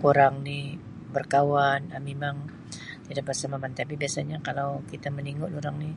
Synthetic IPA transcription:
kuɾaŋni | bərkawanamemaŋ | t̪idaʔ̚bərsamamant̪apibiasaɲakalawkit̪aməniŋʊʔluɾaŋni

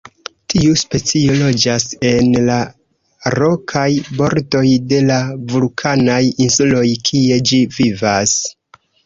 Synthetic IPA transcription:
tʰiuspe̞t͡sio̞lo̞d͡ʒase̞nla | ɾo̞kʰajbo̞ɾdo̞jde̞lavulkʰanajinsulo̞jkʰie̞d͡ʒivivas

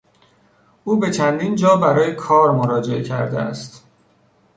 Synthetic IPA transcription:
ʔuːbet͡ʃʰænd̪iːnd͡ʒɒːbæɾɒːjekʰɒːɾmoɾɒːd͡ʒe̞ʔe̞cʰæɾd̪ḛæ̰st̪

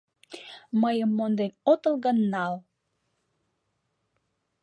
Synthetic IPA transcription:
məjəmːond̪enot̪əlɣənːɑl

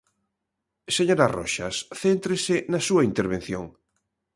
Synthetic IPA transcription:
seɲoɾaro̰ʃasθent̪ɾesɪnɐsuɐint̪eɾβẽn̟θjoŋ

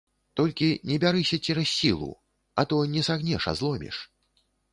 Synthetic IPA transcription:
t̪ɔlʲkʲinʲɛbʲaɾɨsʲɐt͡sʲɛɾɐsʲːilˠṵ | ɐt̪ɔnʲɛsaɣnʲɛʂa̰zlˠɔmʲḭʂ

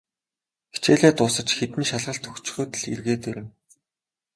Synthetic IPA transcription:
xi̥t͡ɕeːɮeːt̪ʊːsə̆t͡ɕxet̪ɘ̆nʃaɮʁə̆ɬt̪ʰɵxt͡ɕ̆xɵːt̪ɘ̆ɮḭrɣeːt̪ɵɾʲɪ̆n

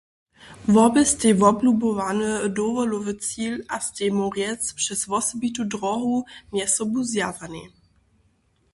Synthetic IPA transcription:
vɔbɛst̪ʲɛvɔblubɔvanəd̪ɔvɔlɔvət͡silast̪ɛmɔʁjɛt͡spʂɛsvɔsɔbit̪udɾɔɦumɛsɔbuzjazanḭ

